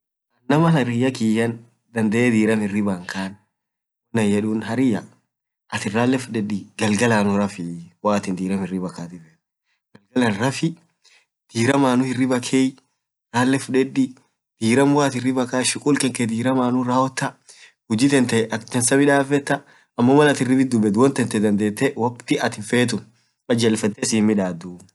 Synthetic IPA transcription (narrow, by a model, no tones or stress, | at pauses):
ɐnnɐmɐnɐɾɪjɐkijɐn | d̪ɐnd̪ɐʔeːd̪iːɾɐmɪrːɪbaŋkaːn | wɔnːɐjɛᶑuːnhɐɾɪjɐ | ʔɐt̪ɪraːlːɛfʊᶑɛᶑiɡɐlɡɐlaːnʊɾɐfɪwaːt̪ɪnd̪iːɾɐmɪrːɪbɐkaːt̪ɪfɛ | ɡ̥ɐlɡɐlɐnɾɐfɪ | d̪̥iːɾɐmaːnʊhɪrːɪbɐkʰeːj | ɾaːlːɛfʊᶑɛᶑi | d̪̥iːɾɐmwaːt̪ɪrːɪbɐkaːʃɪkʼuːlkɛŋkɛd̪iːɾɐmaːnʊɾaːɔt̪ːɐ | hʊd͡ʒɪt̪ɛnt̪ɐɛʔɐt̪ɛnsɐbɪᶑaːfɛt̪ːɐ | ɐmːomɐnɐt̪ɪrːɪbɪd̪ʊbɛd̪wɐnt̪ɛnt̪ɛd̪ɐnd̪e̞ːt̪ːɛwɐkt̪ɪɐt̪ɪfeːt̪̬ʊn | kʼɐd͡ʒɛlfɛt̪ːesiːmːɪᶑaːd̪u